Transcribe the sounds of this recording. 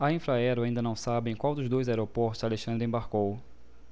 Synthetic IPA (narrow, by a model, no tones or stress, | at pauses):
aĩfɾaɛɾʊaĩnd̪ɐnɐ̃w̃sabẽj̃kwawd̪ʊzd̪ojzaɛɾopɔɾt̪ʊzaleʃɐ̃nd̪ɾɪẽbaɾkow